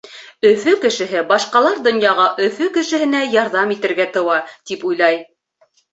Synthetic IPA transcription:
ɵ̆fɵkɘ̆ʃɘ̆ɦɘbɑʃqɑlˠɑɾd̪ŏnjɑʁɑʔɵ̆fɵkɘ̆ʃɘ̆hɘ̆næjɑɾðɑmit̪ɘ̆ɾɡæt̪ɤ̆wɑt̪ipujlˠɑj

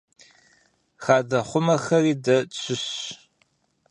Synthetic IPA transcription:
xaːdɐχʷʊmɐxɐriːdɐt͡ɕʰɪɕ

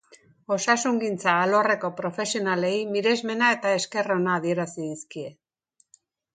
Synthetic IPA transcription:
o̞sasuŋɡint͡saːlo̞re̞ko̞pɾo̞fe̞sio̞nale̞jmiɾe̞zme̞nae̞t̪ae̞ske̞ro̞naːð̞ie̞ɾasiðiskie̞

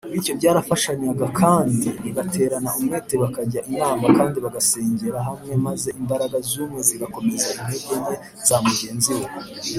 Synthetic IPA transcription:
itco̞bɟaːɾafaʃaɲaɡakʰaːndiβiɡatʰe̞ːɾanaʔumŋeːteβakaɟaʔinaːmakaːndiβaɡase̞ːɲɟe̞ɾaɦamŋe̞maze̞ʔimbaɾaɡazuːmŋe̞ziɡako̞me̞zaʔinebɟene | z̥aːmuɟe̞ːnziw

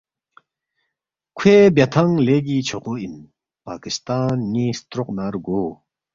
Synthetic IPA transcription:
kʰeːbjat̪ʰaŋleːɡit͡ɕʰoqoin | paːkist̪aːnːist̪ɾoq̚naɾɡoː

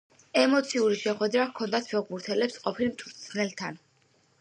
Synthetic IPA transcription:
ɛmɔt̪sʰiuɾiʃɛχwɛd̪ɾakʰɔnd̪at̪ʰbɛɡmuɾt̪ʰɛlɛpsqʼɔpʰilmt̪ʰuɾt̪sʰnɛlt̪ʰan

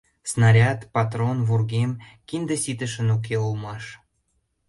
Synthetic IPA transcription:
snɑɾʲɑt̪pɑt̪ronvurɣemkind̪əsit̪əʃənuk̬eulmɑʃ

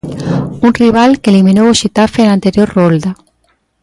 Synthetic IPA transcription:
unriβ̞alkelimĩnowoʃet̪afenant̪eɾjoɾrold̪a

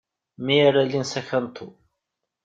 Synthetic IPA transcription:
miaɾalinsæçant̪ʰːu

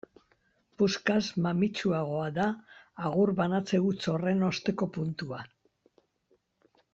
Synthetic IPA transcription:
puskazmamit͡ʃuaɣ̞o̞aðaːɣuɾβanat͡se̞ɣut͡so̞re̞no̞st̪e̞ko̞punt̪ua

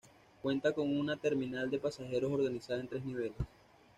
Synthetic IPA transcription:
kwe̞nt̪ako̞ŋunat̪e̞ɾminald̪e̞pasaxe̞ɾo̞so̞ɾɣanisaðaent̪ɾe̞sniβ̞e̞les

